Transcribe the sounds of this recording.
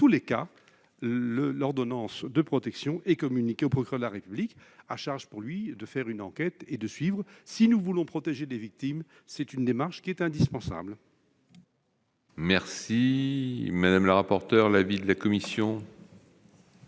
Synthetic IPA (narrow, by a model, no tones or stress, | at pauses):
t̪uleka | ləlɔʁd̪ɔnɑ̃sd̪əpχɔt̪ɛksjɔ̃ʔɛkɔmynikʲeopχɔkɥyɛʁd̪əlaʁepyblikaʃaʁʒpuʁlɥid̪əfɛʁynɑ̃kʲɛt̪ed̪əsɥivʁsinuvulɔ̃pχɔt̪eʒelevik̚t̪im | sɛt̪ynd̪emaʁʃkʲiɛt̪ɛ̃d̪ispɑ̃sa̰bl | mɛʁsi | mad̪amləʁapɔʁt̪œʁlavid̪əlakɔmisjɔ̃